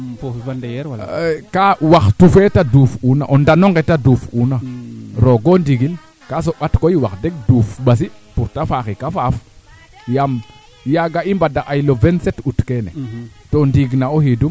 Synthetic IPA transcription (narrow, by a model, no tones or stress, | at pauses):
oandjkawaxtufetaduːfuna̰ʔondanoŋɡetadufunaɾoɡondiɡil | kas̬oɓatkoiwaxdeɡ̚duːfɓas̬ipuɾtafaxikafaːf | jam | jaɡaimbadaʔajlovensetutkenḛtondiɡnaohidum